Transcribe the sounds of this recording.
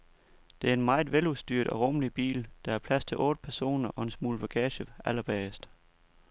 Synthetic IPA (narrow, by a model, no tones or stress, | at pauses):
d̥e̝æɐe̝nmɑ̈ɪʋelusd̥y̰ːɐd̥ɒ̽ʁɔməlib̥ḭːld̥ɑ̈æɐpʰlæst͡sʰe̝lʔɔ̽ːd̥əpʰæɐso̝̰ːnɐʔɒ̽e̝nsmṵːlb̥æɡ̥ʰɛːɕəʔælɐb̥ɛːsd̥